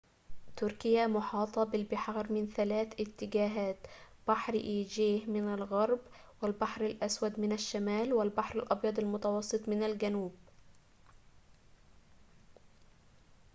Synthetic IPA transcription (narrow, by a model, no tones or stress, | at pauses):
t̪ʊɾkɪjamʊħɑːt̪ˤɑbɪlbɪħɑːɾmɪnθalaːθʔɪt̪ːɪɡaːɦaːt̪ | b̥aħɾʔiːd͡ʒeːhmɪnalɣɑɾˤb | wɪlbaħɾalʔaswad̪mɪnaʃːamaːlwɪlbaħɾɪlʔɑbjɑd̪ˤɑlmʊt̪ɑwɑsˤːɨt̪ˤmɪnalɡanuːb